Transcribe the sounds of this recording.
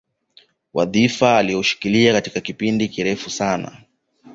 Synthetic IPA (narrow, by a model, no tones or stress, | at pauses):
wʔa̰ðifaːlijɔuʃi̥kiliakati̥kakipindikiɾɛfusana̰